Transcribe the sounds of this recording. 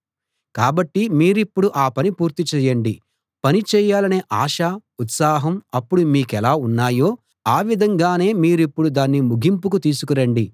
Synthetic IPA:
kaːbɐʈːimiːɾipːuɽuʔaːpɐnipuːɾt̪it͡ʃɛːjɐɳɖi | pɐnit͡ʃɛːjaːlɐneːʔaːʃaut̪saːɦɐmɐpːuɽumiːkɛlaːunːaːjo̞ː | aːʋid̪ʱɐŋɡaːne̞ːmiːɾipːuɽud̪aːnːimuɡʱimpukut̪iːsukuɾɐɳɖi

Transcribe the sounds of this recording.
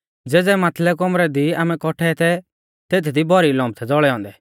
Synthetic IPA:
d͡zeːd͡zɛmaːt̪ʰlɛk̬ɔmɾɛd̪iaːmɛ̃kɔʈʰɛt̪ʰɛ | t̪eːt̪ʰid̪ibʱɔɾilɔ̃ːmb̚t̪ʰɛd͡zɔɭɛɔ̃ːnd̪ɛ

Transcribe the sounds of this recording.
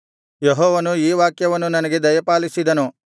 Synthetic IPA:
jeɦɔːʋɐnuiːʋaːkjɐʋɐnːunɐnɐɡe̞d̪ɐjɐpaːlisid̪ɐnu

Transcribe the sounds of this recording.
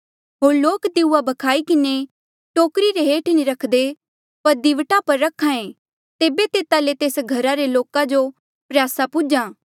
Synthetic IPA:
ɦoːɾloːkd̪ɪuabʱɐkʰaːikɪne | ʈoːkɾiɾeɦeːʈniɾɐkʰd̪e | pɐɾd̪ɪʋʈapɐɾːɐkʰːãːẽ | t̪eːbet̪eːt̪alet̪eːsɡʱɐɾaɾeloːkãd͡ʒo | pɾjaːsapʊd͡ʒãː

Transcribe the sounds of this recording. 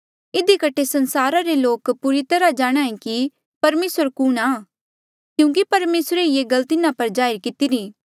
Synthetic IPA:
ɪd̪ikɐʈʰesɐ̃nsaːɾaɾeloːkpuɾit̪ɐɾad͡ʒaːɽ̃aːẽki | pɐɾmeːsəɾkʊnaː | kjũːkipɐɾmeːsɾeijeɡɐlt̪ɪnãpɐɾd͡ʒaːɪɾkɪt̪iɾĩː

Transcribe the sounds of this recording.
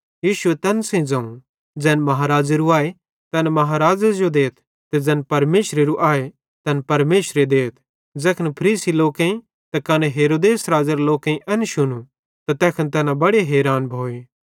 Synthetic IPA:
jiːʃʊet̪ɛːnsɐ̃ĩd͡zɐ̃ũ | d͡zɛːnmɐɦaːɾaːd͡ʒeɾuaːe | t̪ɛnmɐɦaːɾaːd͡ʒad͡ʒod̪eːt̪ʰ | t̪ɛd͡zɛːnpɐɾmeːʃɾeɾuʔaːe | t̪ɐnpɐɾmeːʃɾed̪eːt̪ʰ | d͡zɛːkʰənpʰɐɾiːsiloːkẽĩ | t̪ɐkɐneɦeːɾoːd̪eːsɾaːd͡ʒəɾloːkẽĩʔɐnʃʊnu | t̪at̪ɛːkʰənt̪ɛːnãbɐɽeɦɛːɾaːnbʱoːeː

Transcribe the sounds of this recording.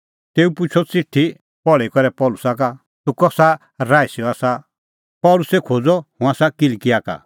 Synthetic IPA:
t̪eːupʊt͡ʃʰɔt͡sɪʈʰːi | pɔɭɛikɔɾɛpɔːlʊsaka | t̪ũkɔsa | ɾaːisiɔaːsa | pɔːlʊsekʰod͡zɔhʊ̃aːsakɪlkɪjaka̰

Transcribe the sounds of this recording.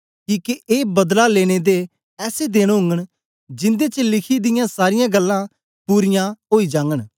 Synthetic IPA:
kiːkeʔeːbɐd̪laleːɽ̃ed̪e | ɛːsed̪eːɽ̃ɦʊ̃ŋɡəɽ̃ | d͡ʒɪ̃nd̪et͡ʃəlɪkʰid̪ɪjãsaːɾɪjãːɡəlːã | puːɾɪjãɦoːiːd͡ʒãːŋɡəɽ̃

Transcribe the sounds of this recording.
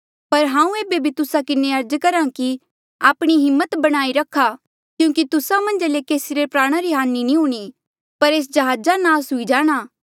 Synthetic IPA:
pɐɾɦãːũeːbebʱit̪ʊsakɪneɐɾd͡ʒkɐɾãki | aːpɽ̃iɦɪmːət̪bɐɽ̃aːiɾɐkʰːa | kjũːkit̪ʊsamɐ̃nd͡ʒlekeːsiɾepɾaːɽ̃aɾiɦaːnːinĩɦuːɽ̃i | pɐɾeːs̬d͡ʒɐɦaːd͡ʒanaːsɦʊid͡ʒaːɽ̃aː

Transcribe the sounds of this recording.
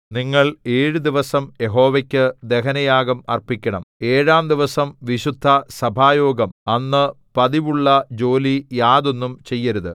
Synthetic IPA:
niŋːɐɭe̞ːɻɨd̪iʋɐsɐmje̞ɦo̞ːʋɐkʲːɨd̪e̞ɦɐnɐjaːɡɐmɐ̰rpikʲːɐɳɐme̞ːɻaːmd̪iʋɐsɐmʋiɕud̪ʱːɐsɐbʱaːjoːɡɐmɐnːɨ | pɐðiʋuɭːɐd͡ʑo̞ːlijaːðo̞nːumt͡ɕe̞jːɐɾuðɨ

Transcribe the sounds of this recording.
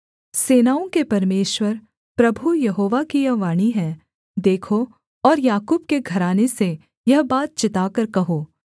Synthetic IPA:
seːnaːõkepɐɾmeːʃwəɾ | pɾɐbʱujɐɦoːʋakijɐʋaːɽ̃iɦɛ̃ | d̪eːkʰo | ɔːɾjaːkuːbkeɡʱɐɾaːnese | jɐɦbaːt̪̚t͡ʃɪt̪aːkɐɾkɐɦoː

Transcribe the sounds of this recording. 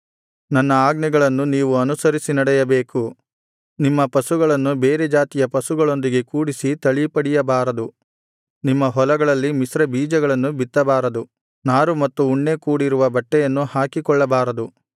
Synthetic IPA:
nɐnːɐaːɡnɛɡɐɭɐnːuniːʋuɐnusɐɾisinɐɽɛjɐbe̞ːku | nimːɐpɐsuɡɐɭɐnːubeːɾed͡ʒaːt̪ijɐpɐsuɡɐɭo̞nd̪iɡe̞kuːɽisit̪ɐɭipɐɽijɐbaːɾɐd̪u | nimːɐɦɔlɐɡɐɭɐlːimisɾɐbiːd͡ʒɐɡɐɭɐnːubit̪ːɐbaːɾɐd̪u | naːɾumɐt̪ːuːɳːe̞kuːɽiɾuʋɐbɐʈːɛjɐnːuhaːkikɔɭːɐbaːɾɐd̪u

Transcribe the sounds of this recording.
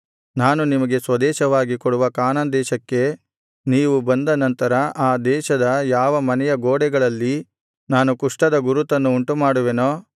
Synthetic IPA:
naːnunimɐɡe̞sʋɐd̪ɛːʃɐʋaːɡikɔɽuʋɐkaːnɐnd̪ɛːʃɐkːe̞ | niːʋubɐnd̪ɐnɐnt̪ɐɾɐʔaːd̪ɛːʃɐd̪ɐjaːʋɐmɐnɛjɐɡoːɽɛɡɐɭɐlːi | naːnukuʂʈɐd̪ɐɡuɾut̪ɐnːuːɳʈumaːɽuʋenoː

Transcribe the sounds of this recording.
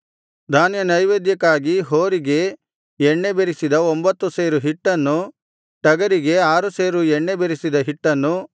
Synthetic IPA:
d̪ʱaːnjɐnɐjʋeːd̪jɐkaːɡiɦoːɾiɡe̞ | ɛɳːe̞beɾisid̪ɐombɐt̪ːuseːɾuɦiʈːɐnːu | ʈɐɡɐɾiɡe̞aːɾuseːɾuɛɳːebeɾisid̪ɐɦiʈːɐnːu

